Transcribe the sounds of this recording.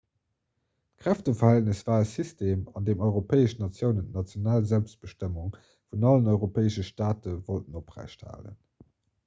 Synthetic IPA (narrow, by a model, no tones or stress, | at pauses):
tkʁ̥æftəfɐhæltnəsv̥aːəsistʰeːmɑndeːmɔɪʁopʰeːəʃnɑt͡sjəʊnəntnɑt͡sjonaːlzælpst̚b̥əʃtəmuŋ | funɑlənɔɪʁopʰeːəʃəʃtaːtəvoltənopʁæ̰ɪɕtha̰ːlə̰n